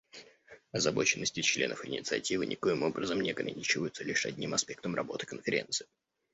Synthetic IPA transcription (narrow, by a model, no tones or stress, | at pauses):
ɐzɐbo̞t͡ɕɪnːəsʲtʲɪt͡ɕlʲe̞̰nəfɪ̰nʲɪt̪sɨɐ̰tʲivɨnʲɪko̞jɪmo̞bɾəzəmnʲɪɐɡɾɐ̰nʲit͡ɕɪvəjʊt̪səlʲiʂɐ̰dʲnʲimɐspʲe̞k̚t̪əmrɐbo̞t̪ɨ̥kənfʲɪɾʲe̞̰nt̪sɨ̥ɪ